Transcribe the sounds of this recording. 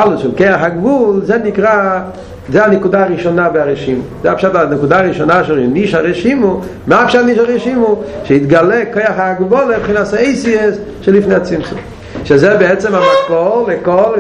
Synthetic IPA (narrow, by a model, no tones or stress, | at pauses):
alʊdʃɛlkeɪaχaɡvulzɛnikʁa | zɛanɛkudaːʁiʃɔnaveaʁɛʃimuzɛapʃatanɛkudaʁiʃonaʃɛʁniʃaʁɛʃimu | mapʃatniʃ̬aʁɛʃimuʃɛid̪ɡalɛkojaχaɡbɔlˠebχinasaeɪsies | ʃɛlifneɪat͡simt͡sṵm | ʃɛzɛbɛɛt͡sɛmamapollekol